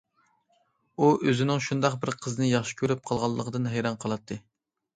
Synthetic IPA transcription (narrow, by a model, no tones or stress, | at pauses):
uʔøzɪnɪŋʃund̪ɑq̚bɪɾqʰəzɨnɨjɑχʃi̥kʲʰøɾyp̚qʰɑlˠʁɑlˠːəqʰəd̪ɨnɦejɾɑnqʰəlˠɑt̪ʰːɨ